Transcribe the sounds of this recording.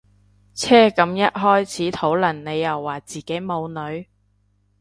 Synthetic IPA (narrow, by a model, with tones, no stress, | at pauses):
t͡sʰɛː˥kɐ˨˥mjɐ˥t̚ɦɔː˥jt͡sʰiː˨˥t̪ʰo˨˥wlɐ˨˩nne˨˧jːɐ˨˩wːaː˨˩t͡siː˨˩ke˨˥jmo˨˧wnɵ˨˧ɥ